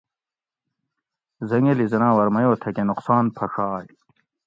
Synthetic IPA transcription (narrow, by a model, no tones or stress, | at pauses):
zɐŋelizɐnãːwɐɾmɐjoːt̪ʰɐkenuqsaːnpʰɐʂaːj